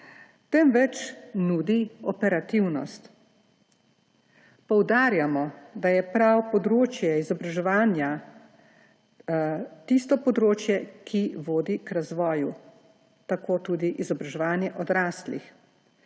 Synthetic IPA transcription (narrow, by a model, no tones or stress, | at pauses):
t̪ɛmʋɛt͡ʃnuːd̪iɔpɛɾat̪iwnɔ̰st̪ | pɔwd̪aːɾjamɔd̪ajɛpɾawpɔd̪ɾoːt͡ʃjɛizɔbɾaʒɛʋaːnja | t̪ist̪ɔpɔd̪ɾoːt͡ʃjɛkʰiʋoːd̪ikɾazʋɔːju | t̪akoːt̪uːd̪iʔizɔbɾaʒɛʋaːnjɛʔɔd̪ɾaːslḭx